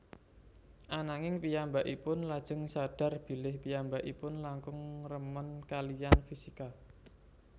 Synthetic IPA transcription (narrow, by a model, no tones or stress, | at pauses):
ʔanaŋɪŋpijambaʔipʊnlad̥ʒ̥ə̤ŋsad̥a̤rb̥i̤lɪhpijambaʔipʊnlaŋkʊŋrəmənkalijanfisika